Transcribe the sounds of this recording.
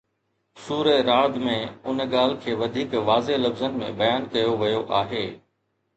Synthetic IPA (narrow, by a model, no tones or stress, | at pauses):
suːɾeɾaːɭd̪mẽʊnɠaːlkʰeːʋɐd̪ʱiːkʋaːzelɐbzənɪ̆mḛ̃bɐjaːnkɐjoʋɐjoʔaːɦeː